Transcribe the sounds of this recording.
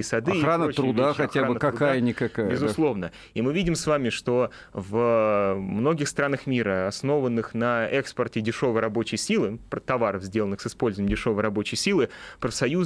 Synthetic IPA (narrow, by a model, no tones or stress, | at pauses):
sɐd̪xɾanət̪ɾʊd̪axɐtʲaanbɨkɐɾʊkajjənʲɪkɐkajbʲɪzʊlˠo̞vnə | imɨvʲidʲɪmsvamʲɪʂt̪o̞ | vəmno̞ɡʲɪxst̪ɾanəxmʲiɾəɐsno̞vənːɨxnəɛkspərtʲɪdʲɪʂo̞vəjɾɐbo̞t͡ɕɪjsʲilˠɨpɾət̪ɐvaɾəvzʲdʲe̞lənɨxsɨspo̞lʲzʊvʲɪmdʲɪʂo̞vəjɾɐbo̞t͡ɕɪjsʲilˠɨpɾəfsɐjuz